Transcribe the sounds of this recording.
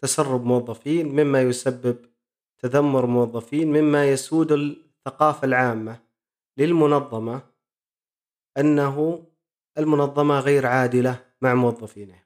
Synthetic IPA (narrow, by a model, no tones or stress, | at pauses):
t̪asɑrˤːʊbmʊwɑðˤːɑfiːnmɪmːajʊsabːɪb̚ | t̪ad̪amːʊɾmʊwɑðˤːɑfiːnmɪmːajasuːd̪ɪθːaqɑːfalʕaːmːa | lɪlmʊnɑðˤːɑmɑ | ʔanːaɦʊ | ʔɪlmʊnɑðˤːɑmɑɣaːɾʕaːd̪ɪla | maʕmʊwɑðˤːɑfiːnɪh